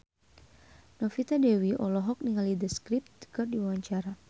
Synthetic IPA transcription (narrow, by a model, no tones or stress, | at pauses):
nɔfit̪adewiʔɔlɔɦɔk̚niŋalidəskɾip̚t̪̚də̥kɔrdiwawaɲt͡ʃaɾa